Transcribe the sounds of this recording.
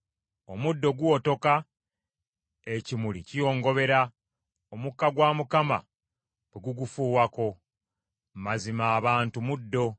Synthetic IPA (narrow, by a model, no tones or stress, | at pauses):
o̞mudːo̞ɡuoto̞ka | ecimulḭcijo̞ːŋɡo̞βe̞ɾa | omukːaɡwaːmukama̰ | weɡuɡufuːwako̞ | mazimaːβaːntumudːo̞